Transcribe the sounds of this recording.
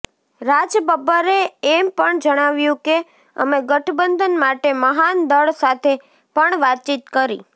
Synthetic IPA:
ɾad͡ʒəbəbəɾeːmpəɳd͡ʒəɽ̃aʋjũke | ə̰meɡəʈʰbənd̪ʱənmaʈeməɦand̪əɭsat̪ʰe | pəɳʋat̪̚t͡ʃit̪kəɾḭ

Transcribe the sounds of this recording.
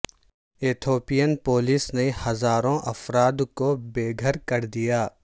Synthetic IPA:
eːt̪ʰoːpijənpoːlisnehɐzaːɾõʔɐfɾaːd̪kobeːɡʱəɾkɐɾd̪ijaː

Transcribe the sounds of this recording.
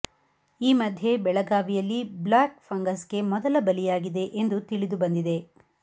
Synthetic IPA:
iːmɐd̪ʱje̞bɛɭɐɡaːʋijɐlːiblaːkfʰɐŋɡɐske̞mɔd̪ɐlɐbɐlijaːɡid̪e̞ʔend̪ut̪iɭid̪ubɐnd̪id̪e̞

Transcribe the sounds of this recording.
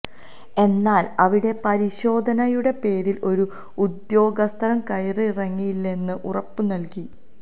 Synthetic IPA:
e̞nːaːlɐʋiɽe̞pɐɾiɕo̞ːd̪ʱɐnɐjuɽe̞pe̞ːɾilʔo̞ɾu | ud̪jo̞ːɡɐst̪ʰɐɾɐmkɐjrɨirɐŋːijlːe̞nːɨʔurɐpːɨnɐlki

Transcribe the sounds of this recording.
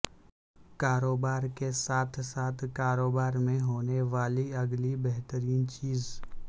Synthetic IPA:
kaːɾoːbaːɾkesaːt̪ʰsaːt̪ʰkaːɾoːbaːɾmẽɦoːneʋaːliɐɡlibɛɦt̪əɾiːnt͡ʃiːz

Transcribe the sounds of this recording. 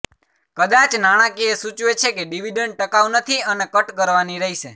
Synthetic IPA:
kəd̪at͡ʃnaɽ̃ãkiesut͡ʃʋet͡ʃʰekeɖiʋiɖəɳɖ̚ʈəkaʋnət̪ʰiənekəʈkəɾʋaniɾəɦiʃe

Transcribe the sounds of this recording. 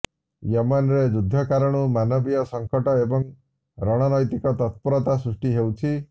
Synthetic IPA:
jɔmanɾed͡ʒud̪ʱːɔkaɾɔɽ̃umanɔbijɔsɔŋkɔʈɔebɔŋ | ɾɔɽ̃ɔnɔjt̪ikɔt̪ɔt̪̚pɔɾɔt̪asɾusʈiɦewt͡ʃʰi

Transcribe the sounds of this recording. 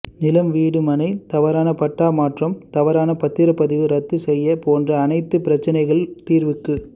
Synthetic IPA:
nɪlɐmʋiːɽɯmɐnɐɪt̪ɐʋɐɾaːnɐpɐʈːaːmaːʈrɐmt̪ɐʋɐɾaːnɐpɐt̪ːɪɾɐpːɐðɪʋɯɾɐt̪ːɯsɛjːɐpoːndrɐːnɐɪt̪ːɯpɪɾɐt͡ʃːɐnɐɪɣɐɭt̪iːɾʋɯkːɯ

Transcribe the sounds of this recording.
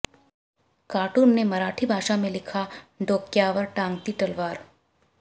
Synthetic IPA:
kaːʈuːnnemɐɾaːʈʰibʱaːʃamẽlɪkʰaɖoːkjaːʋəɾʈãːŋɡt̪it̪ɐlʋaːɾ

